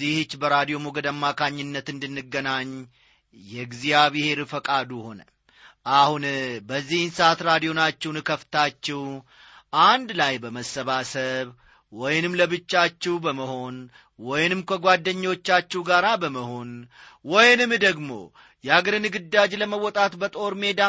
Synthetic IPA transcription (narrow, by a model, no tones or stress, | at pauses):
ihɨt͡ʃːbəɾad̪ijo̞muɡəd̪amːakʰaɲːɨnːət̪ɨnd̪ɨnːɨɡːənaɲ | jɛɡzijaβihe̞ɾɨfəkʼad̪uho̞nə | ʔahunbəzːihnsat̪ɾad̪ijo̞nat͡ʃːɛwnɨkʰəft̪ʰat͡ʃːɛw | ʔand̪lajbəməsːəβasəβ | wɔjnɨmləbɨt͡ʃːat͡ʃːɛwbəməho̞n | wɔjnɨmkʰəɡʷad̪ːəɲːo̞t͡ʃːat͡ʃːɛwɡaɾabəməho̞n | wɔjnɨmd̪əɡmo̞̰ | jɛaɡəɾɨnɨɡɨd̪ːad͡ʒləməwːɔt̪ʼat̪bət̪ʼo̞ɾme̞d̪a